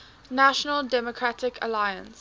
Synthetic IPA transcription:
naʃənəldɛmɔkʰɹatɪkʰə̰laɪjə̃ns

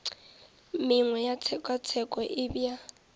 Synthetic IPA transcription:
mɪŋwɛjat͡sʰɛkʼat͡sʰɛkʼɔʔɪbja

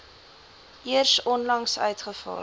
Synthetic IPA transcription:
ʔiərsɔnlɐŋsœ̰ɥtχəfɑ̰ː

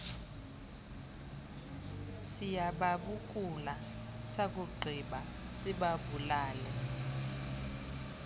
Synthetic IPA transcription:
sijaɓaɓuk̬ula | sak̬uɡ͡ǃʱiɓa | siɓaɓulaːlɛ

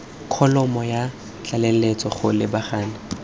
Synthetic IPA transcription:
kʰɔlɔmɔja | t͡ɬʼalɛlet͡sɔχʊlɪbaχaːna

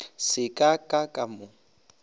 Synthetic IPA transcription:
sɪkʼakʼakʼamʊ

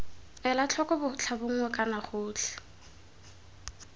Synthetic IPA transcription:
ɛlat͡ɬʰɔkʼɔbʊt͡ɬʰabʊŋ̩ŋwɛkʼanaχʊːt͡ɬʰɛ̥

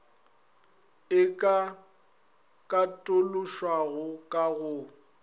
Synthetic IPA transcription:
ɪkʼa | kʼatʼʊlʊʃwaɣʊkʼaɣʊ

